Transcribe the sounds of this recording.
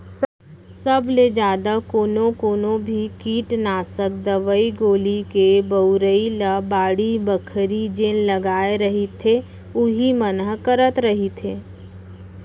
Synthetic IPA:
səbʱled͡ʒaːd̪akoːnõkoːnõbʱikiːʈnaːsək̚d̪əʋəiɡoːlikebəʊɾəilabaːɽibəkʰɾid͡ʒeːnləɡaːeɾəɦit̪ʰe | ʊɦimənəɦkəɾət̪ɾəɦit̪ʰeː

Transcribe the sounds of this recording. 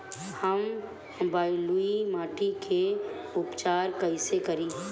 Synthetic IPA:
həm | baːiluimaːʈikʰeʊpt͡ʃaːɾkəɪsekəɾiː

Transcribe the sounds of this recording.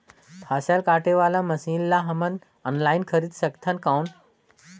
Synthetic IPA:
t̪ʰasalkaʈeʋalaməsiːnlaɦəmən | ənlainkʰəɾiːt̪ɕəkt̪ʰankawn

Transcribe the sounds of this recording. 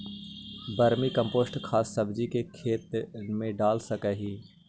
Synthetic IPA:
bɐɾmikɐ̃mpoːsʈkʰaːsːɐbd͡ʒikekʰeːt̪mẽɖaːlsɐkɛːɦiː

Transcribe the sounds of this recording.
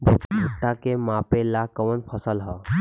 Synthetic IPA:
bʱubʱuʈːakemapelakɔʋənpʰəsəlɦɔ

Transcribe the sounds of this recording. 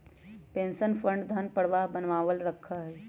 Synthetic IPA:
pẽːnsənpʰɾə̃ɳɖd̪ʱənpəɽʋabənʋaːʋəlɾəkʰːaɦɛː

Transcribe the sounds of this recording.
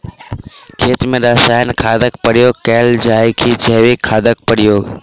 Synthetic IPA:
kʰeːt̪mẽːɗaːsaːjnkʰaːd̪əkpəɽɪjoːkɛːld͡ʒaːikʰiːd͡ʒʰeːʋiːkʰːaːd̪ək̚pəɽɪjoː

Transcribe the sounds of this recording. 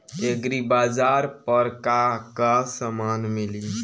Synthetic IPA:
eɡɾibaːzaːɾpəɾkakasəmaːnmɪli

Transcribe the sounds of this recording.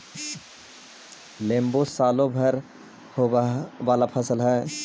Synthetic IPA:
lẽːmbosaːlõbʱəɾ | hoʋaːlapʰəsəlɦɛː

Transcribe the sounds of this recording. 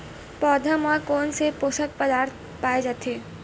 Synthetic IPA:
pɔːd̪ʱamãkoːnsepoːsək̚pəd̪aːɾt̪̚ʰ | paːed͡ʒaːt̪eː

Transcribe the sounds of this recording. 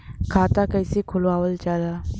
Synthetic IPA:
kʰat̪akajsikʰoloaʋəlt͡ɕala

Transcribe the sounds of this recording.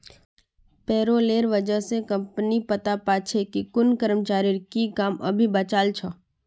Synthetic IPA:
pɛːɾoːleːɾʋəd͡ʒəɦsekɐ̃mpnipɐt̪apaːt͡ʃʰekikʊnkəɾəmt͡ʃaːɾiɾkikaːmɐ̰bʱibat͡ʃaːlt͡ʃʰa

